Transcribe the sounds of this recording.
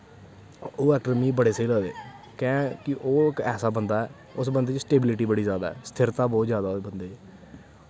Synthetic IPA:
oːɛːkɾəmiːbəɽeːsəiːloːd̪ḛː | kɛ̃ːkɪʔoːɪkɛːsaːbənd̪aːɛː | ʊsbənd̪eːt͡ʃsʈeːbɪlɪʈiːbəɽiːzjaːd̪a̰ːɛ̰ːsə̥t̪ʰɪɾt̪aːbɔːt̪zjaːd̪aːbənd̪eː

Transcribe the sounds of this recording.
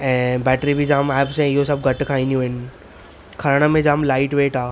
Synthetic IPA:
ɛ̃ːbɛːʈɾibʱid͡ʒãːmɛːpsɛ̃iɦosɐb̚ɡʱɐʈkʰaːĩnioɪn | kʰɐɾaːɽ̃amẽd͡ʒaːmlaːɪʈʋeːʈaː

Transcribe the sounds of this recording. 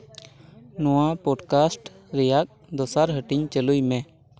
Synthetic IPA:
nɔwapɔɖkasʈ | ɾɛjak̚ | d̪ɔsaɾɦəʈiɲt͡ʃəlujmɛ

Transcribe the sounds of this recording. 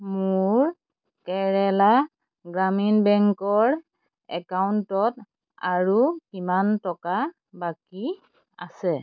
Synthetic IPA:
mʊɹ | kɛɹɛla | ɡɹaminbɛŋkɔɹ | ɛ̰kawntɔt | aɹukimantɔka | baki | a̰sɛ

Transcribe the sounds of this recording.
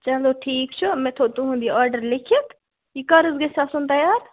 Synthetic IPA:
t͡ʃɐd̪oʈʰiːkt͡ʃʰumɛ̃t̪ʰot̪uɦũd̪iɔːɾɖəɾlekʰit̪ | ikɐɾɨzɡesasunt̪ɐjaːɾ

